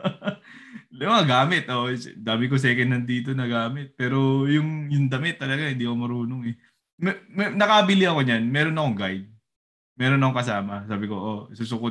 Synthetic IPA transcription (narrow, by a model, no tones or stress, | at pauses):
lɪmaaɡaːmɪt̪ʔosd̪aːmɪkos̬ɛːkɛnɐnd̪iːt̪o̞nɐɡaːmɪt̪̚pɛːɾo̞jʊŋjʊŋd̪ɐmɪt̪ːɐlɐɡahɪnd̪iːʔɐkomɐɾuːnoŋɛ | mɛmɛnɐkɐbɪlɪʔɐko̞ɲanmɛːɾo̞nɐkoŋɡajd̪̚ | mɛːɾonɐkoŋkɐsaːmɐsaːbɪko̞ʔosuːsʊko